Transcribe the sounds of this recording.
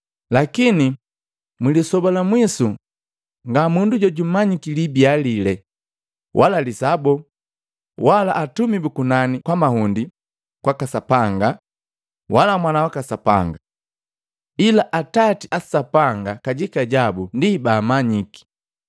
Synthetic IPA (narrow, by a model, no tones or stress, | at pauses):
lakini | mulisɔbalamwisu | ŋɡamunduɟɔɟumaɲikilibialilɛ | wʔalalisabɔ | walaʔːtumibukunanikwamahundi | kwakasapaŋɡa | walamwanawakasapa̰ŋɡa | ilaʔatatiʔasapaŋɡakaɟikaɟabundibaːmaɲiki̥